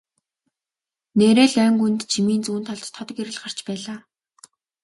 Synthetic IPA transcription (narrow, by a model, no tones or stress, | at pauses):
neːɾeːɮœːŋɡunt̪t͡ɕʰimiːnt͡suːnt̪ʰɔɮt̪ʰːɔt̪ɡeɾɘ̆ɮɢar̥t͡ɕpæːɮaː